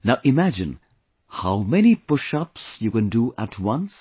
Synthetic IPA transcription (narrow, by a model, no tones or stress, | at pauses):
naʊʔɪmæd͡ʒɪ̰̃n | haʊmɛnipʊʃʌpsjukɛ̃nduʔætʰwʌ̃ns